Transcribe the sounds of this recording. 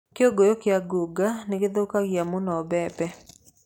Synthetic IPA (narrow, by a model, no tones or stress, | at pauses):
kɪoɡojokɪaɡoɡanɪɡɪd̪okaɡjamʊnɔːbɛpɛ